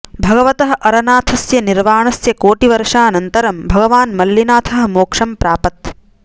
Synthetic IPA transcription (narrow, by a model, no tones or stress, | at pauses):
bʱɐɡɐʋɐt̪ɐɦɐʔɐɾɐnaːt̪ʰɐsjɐniɾʋaːɳɐsjɐkoːʈiʋɐɾʂaːɐnɐnt̪ɐɾɐmbʱɐɡɐʋaːnmɐlːjinaːt̪ʰɐɦɐ̆moːkʂɐmpɾaːpɐt̪̚